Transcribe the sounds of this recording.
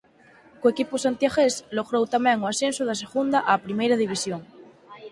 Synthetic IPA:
koekiposant̪jaxesloɣɾowt̪amɛ̃ŋoasensoðas̬eɣund̪aʔapɾimejɾaðiβ̞isjoŋ

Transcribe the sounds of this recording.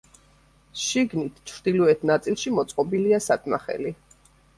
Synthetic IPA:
ʃiɡnit̪ʰt͡ʃʰɾd̪iluɛt̪ʰnat̪sʼilˠʃimɔt̪sʼqʼɔbiliasat̪ʼmaχɛ̰li

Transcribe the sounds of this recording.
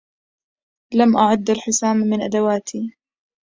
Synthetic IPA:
lamʔaʕʊd̪ːalħʊsaːmmɪnʔad̪awaːt̪ʰi

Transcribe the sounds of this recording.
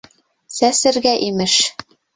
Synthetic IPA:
sæsɘ̆ɾɡæʔimɘʃ

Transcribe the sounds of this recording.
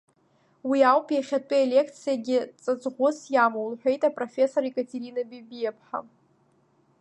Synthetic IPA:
wiawpʼjaχʲatʷʼɨelʲe̞kʰt͡sʰijaɡʲɪt͡sʼat͡sʼʁʷʊsjamowulħʷᶣe̞jtʼapʼrofʲe̞so̞ɾikʼatʰʼeɾinabibijepʰħa̰

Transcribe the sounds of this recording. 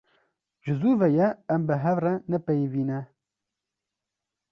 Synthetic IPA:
d͡ʒɨzuːvɛjɛːmbɨɦɛvrɛnɛpɛjviːnɛ

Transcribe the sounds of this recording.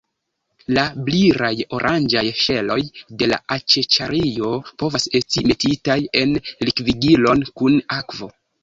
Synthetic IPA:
labliɾajo̞ɾʔand͡ʒajʃe̞lo̞jde̞la̰ʔat͡ʃet͡ʃaɾio̞po̞vase̞stime̞titaje̞nlikviɡilo̞nkunakvo̞

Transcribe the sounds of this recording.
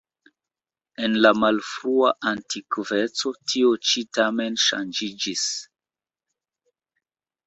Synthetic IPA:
enlamalfɾuaʔantikvet͡so̞tʰiot͡ʃitamenʃa̰nd͡ʒid͡ʒis

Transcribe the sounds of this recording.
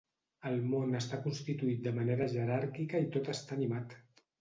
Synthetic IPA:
əlˠmonəst̪akunst̪it̪uit̪̚d̪əməneɾəʒəɾaɾkikəit̪ot̪əst̪aːnimat̪

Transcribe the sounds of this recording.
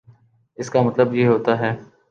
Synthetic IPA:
ɪskamɐt̪ləbjeːɦoːt̪aɦɛː

